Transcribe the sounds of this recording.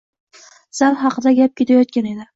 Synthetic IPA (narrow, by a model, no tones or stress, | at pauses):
z̥aɾɦɑqɨd̪aɡʲap̚kʲʰe̞t̪ʰajɒt̪̚kʲane̞d̪ɪ